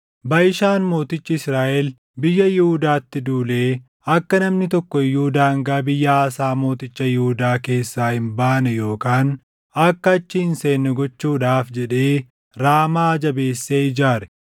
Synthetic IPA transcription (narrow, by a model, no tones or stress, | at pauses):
bɐʔɪʃaːnmo̞ːt̪ɪt͡ʃːɪɪsɾaːʔɛl | bɪjːɐjɪhud̪aːt̪ːɪd̪uːle̞ː | ɐkːɐnɐmnɪt̪ɔkːɔɪjuːd̪aːŋɡaːbɪjːɐːsaːmo̞ːt̪ɪt͡ʃːɐjɪhʊd̪aːke̞ːsːaːhɪmbaːnɛjo̞ːkaːn | ɐkːɐːt͡ʃːɪɪnse̞ːnːɛɡɔt͡ʃːuːᶑaːfd͡ʒɛᶑe̞ː | ɾaːmaːd͡ʒɐbe̞ːsːeːɪd͡ʒaːɾɛ̥